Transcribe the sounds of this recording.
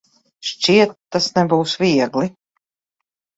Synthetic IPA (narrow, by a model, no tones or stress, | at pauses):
ʃt͡ʃiɛt̪ːasnɛbuːsviɛɡli